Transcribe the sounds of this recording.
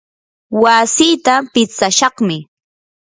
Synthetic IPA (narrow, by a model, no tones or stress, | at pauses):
wasiːt̪apɪt͡saʃɑχmɪ